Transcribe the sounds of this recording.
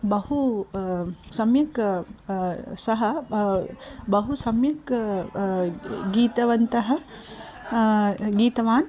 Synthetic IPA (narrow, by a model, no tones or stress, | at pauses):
bɐhu | sɐmjɐk | sɐɦɐ | bɐɦusɐmjɐk | ɡiːt̪ɐʋɐnt̪ɐɦɐ | ɡiːt̪ɐʋaːn